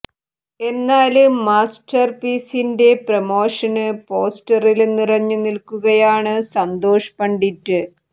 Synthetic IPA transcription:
e̞nːaːlɨːaːsʈɐrpiːsinde̞prɐmo̞ːʂɐnɨpo̞ːsʈɐrilenːirɐɲːɨnilkuɣɐjaːɳɨsɐnd̪o̞ːʂɐ̥pɐɳɖitːɨ

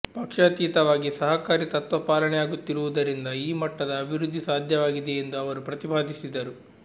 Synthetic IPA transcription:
pɐkʂat̪iːt̪ɐʋaːɡisɐɦɐkaːɾit̪ɐt̪ʋɐpaːlɐɳɛjaːɡut̪ːiɾuʋud̪ɐɾind̪ɐiːmɐʈːɐd̪ɐːbʱiɾud̪ʱːisaːd̪ʱjɐʋaːɡid̪eend̪uɐʋɐɾupɾɐt̪ipaːd̪ʱisid̪ːɐɾu

